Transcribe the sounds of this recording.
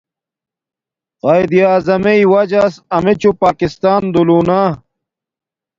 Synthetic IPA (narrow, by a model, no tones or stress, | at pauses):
qaːjd̪ijaːzɐmeiwɐd͡ʑaːsɐmet͡ɕupaːkist̪aːnd̪uluːnaː